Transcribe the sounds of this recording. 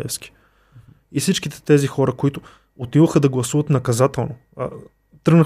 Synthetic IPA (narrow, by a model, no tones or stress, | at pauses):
ɛ̰fskʲi̥ | ifsit͡ʃkit̪ɛ̥t̪ɛzixɔɾəkoit̪ʊ | ot̪ilˠoxəd̪ɐɡlˠɐsuvət̪nɐkɐzat̪ɛlˠno̰ | t̪ɾəɡnə